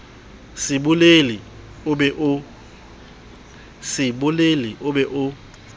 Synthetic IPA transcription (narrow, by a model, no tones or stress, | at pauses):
sɪɓuleli | ɓɛʔ | sɪɓʊleliʔʊɓɛʔʊ